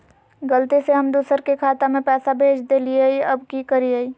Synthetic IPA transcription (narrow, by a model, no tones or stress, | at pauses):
ɡəlt̪iseɦɐmd̪uːsəɾkekʰaːt̪amẽpɛːsabʱeːd͡ʒd̪elieiɐbkikəɾieiː